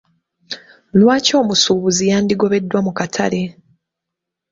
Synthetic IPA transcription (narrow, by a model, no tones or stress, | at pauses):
lwaːco̞ːmusuːβuzijaːndiɡo̞βe̞dːwamukatʰa̰le̞